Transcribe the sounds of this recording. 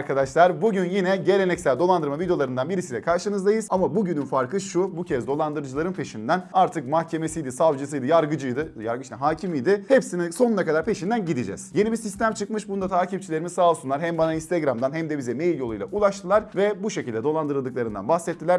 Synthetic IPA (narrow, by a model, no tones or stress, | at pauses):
ɾkʰad̪aʃlˠaɾbuɟynjinɛɟe̞lʲenɛcsælʲd̪o̞lˠand̪ɯɾmavid̪ej̪ˠaɾɯnd̪anbiɾisilʲɛkʰaɾʃɯnɯzd̪ajɯzamabuɟynynfaɾkʰɯʃubucʰɛzd̪o̞lˠand̪ɯɾɯd͡ʒɯlˠaɾɯnpʰe̞ʃind̪ænaɾt̪ʰɯkmahcʰe̞me̞sijd̪isavd͡ʒɯs̬ɯjd̪ɯjaɾɡɯd͡ʒɯjd̪ɯja̰ɾɡɯʃaɦaːcʰimijd̪ɪhepsinso̞nunakad̪aɾpʰe̞ʃind̪ænɟid̪id͡ʒɛ̰z̥je̞nibisist̪ʰæmt͡ʃʰɯk̚mɯʃbunud̪at̪ʰaːcʰip̚t͡ʃʰilʲe̞ɾimisaːlˠɯsunlˠaɾɦæmbanainst̪ʰeɡɾamd̪anɦæmd̪ɛbizɛme̞jilʲjo̞lˠujlˠa̰ʔulˠaʃt̪ʰɯlˠaɾvɛbuʃecʰilʲd̪ɛd̪o̞lˠand̪ɯɾɯlˠd̪ɯklˠaɾɯnd̪a̰nbahsɛt̪ʰːilʲæɾ